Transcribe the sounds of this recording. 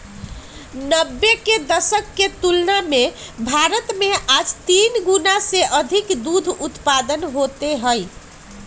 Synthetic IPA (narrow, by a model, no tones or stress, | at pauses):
nəbːeked̪əsəkːet̪ulnamebʱaɾət̪meʔad͡ʒt̪inɡunaseʔəd̪ʱikd̪ud̪ʱut̪pad̪ənɦot̪eɦəj